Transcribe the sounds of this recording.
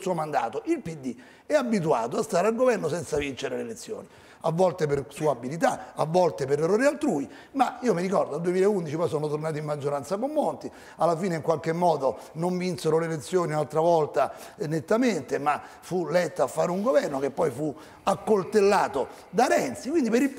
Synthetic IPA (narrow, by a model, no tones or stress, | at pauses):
suːomand̪a̰ːt̪oʔilpid̪ːi | ɛabit̪̬ua̰ːt̪oast̪aːɾealɡovɛrnosɛnt̪savint͡ʃeɾelelet̪sːjo̰ːni | avːɔlt̪epersuːabilit̪aavːɔlt̪epeɾerːoːɾialt̪ɾuːi | maiːomiɾikɔrd̪oald̪uemiːlɛeund̪it͡ʃipɔjs̬oːnot̪ornaːt̪imːad͡ʒːoɾant̪sakomːolt̪i | alːafiːneiŋkwalk̟emːɔːd̪o | noɱvinseɾolelet̪sːjoːniunalt̪ɾavɔlt̪a | net̪ːament̪ema | fulɛt̪ːaafːaːɾeuŋɡovɛrnokepːɔjfu | akːolt̪elːaːt̪o | d̪aɾɛnt̪sikwind̪ipeɾil